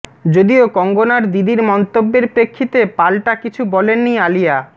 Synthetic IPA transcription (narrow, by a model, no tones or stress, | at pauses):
d͡ʑod̪iokɔŋɡonaɾd̪id̪iɾmɔnt̪obːeɾpɾekʰːit̪epalʈakit͡ɕʰubɔlenːialija